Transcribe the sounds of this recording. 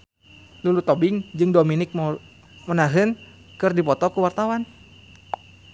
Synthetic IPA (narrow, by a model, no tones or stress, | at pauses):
lulut̪ɔbɪŋd͡ʒɨŋdominɪk̚m | mənaɦɨn | kɨrdipɔt̪ɔkuwart̪awan